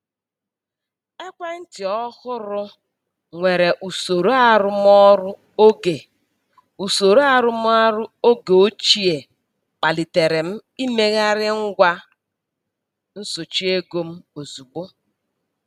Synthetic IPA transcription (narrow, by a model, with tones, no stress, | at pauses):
e˦kʷa˦n̩˦tɪ˨ɔ˦hʊ˦ɾʊ˦ | ŋʷe˨ɾe˨ʔu˨so˨ɾo˦a˦˨ɾʊ˦m˦ɔ˦ɾʊ˦ | o˦ɡe˨ | u˨so˨ɾo˦a˦ɾʊ˦m˦a˦ɾʊ˦o˦ɡe˨o˦t͡ʃi˦e˨ | k͡pa˨li˨te˨ɾe˨m̩˦i˦me˦ɣa˦ɾɪ˦ŋ̩˦ɡʷa˦ | n̩˦so˨t͡ʃi˦e˦ɡo˦m̩˦o˨zu˨ɡ͡bo˦